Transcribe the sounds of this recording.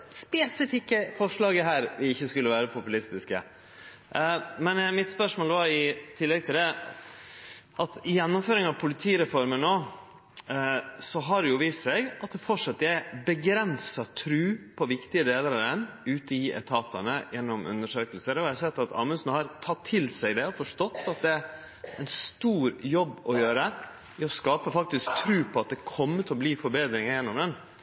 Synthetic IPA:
spɛːsɪfɪkːəfɔʂlɑːɡəɦæːɾʋɪɪçːəskʉlːəʋæːɾəpʰʊpʉlɪst̪ɪskə̰ | mɛnmɪt̪spœʂmoːləʋɑɾɪt̪ʰɪlːɛɡ̚t̪ʰɪld̪ɛ | ʔɑt̪ɪjɛnːʊmføːɾɪŋɑʋpʰʊlɪt̪ʰiːɾɛfɔɾmənoː | sɔɦɑɾjʊʋiːst̪sɛɡɑt̪̚d̪ɛfɔʈʂɑt̪ːəæbəɡɾɛnsɑt̪ʰɾʉːpʰɔʋɪkt̪ɪəd̪eːləɾɑd̪ɛnʉːt̪əiːʔɛ̰t̪ʰɑːt̪ɑnəjɛnːɔmʉ̰nːəʂøːkəlsəɾɔæɪsɛt̪ːɑt̪ʰɑ̰ːməsn̩hɑɾt̪ʰɑt̪ʰːɪlsæɪd̪ɛɔfɔʂt̪ɔt̪ːɑt̪̚d̪ɛæ | ɛɪnst̪uːɾjɔbːɔjøːɾə | ɪɔskɑːpəfɑk̚t̪ɪsk̚t̪ʰɾʉːpʰɔɑt̪̚d̪ɛkʰɔmːət̪ʰɛɔbliːfɔɾbeːd̪ɾɪŋəjɛnːɔmd̪ɛn

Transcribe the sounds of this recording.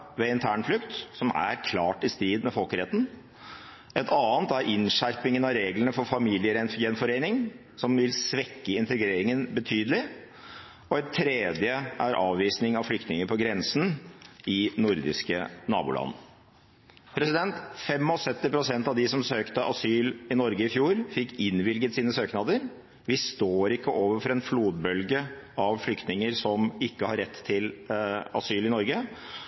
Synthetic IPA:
ʋɛɪnt̪ʰæːɳflʏkt̪sɔmæ̰ɾkʰlɑːʈɪst̪ɾiːd̪mɛfɔlkəɾɛt̪n̩ | ɛt̪ʰɑːnt̪æɾʔɪnʂæɾpɪŋənɑʋɾeːɡlənəfɔɾfɑmiːlɪəɾɛnjɛnfɔɾeɪnɪŋ | sɔmʋɪlsʋɛkːəɪnt̪əɡɾeːɾɪŋənbət̪ʰyːd̪əlɪ | ɔɛt̪ʰːɾeːd̪jəʔæɾʔɑ̰ːʋʋiːsnɪŋɑʋflʏk̚t̪nɪŋəɾpʰɔɡɾɛnsn̩ɪnʊɾd̪ɪ̰skə̰nɑ̰ːbʊ̰lʔɑ̰n | pʰɾɛsɪd̪ɛnt̪fɛmɔsœt̪ːɪpɾʊsɛnt̪ɑʋd̪ɪsɔmsøːkt̪əʔɑsyːlɪnɔɾɡəɪfjuːɾfɪkːɪnʋɪlɡət̪siːnəsøːknɑd̪əɾ | ʋɪst̪oːɾɪkːəʔoːʋəɾfɔɾɛnfluːd̪bœlɡə | ɑʋflʏkt̪nɪŋəɾsɔmɪkːəhɑɾːɛt̪ʰːɪlɑ̰syːlɪnɔɾɡə

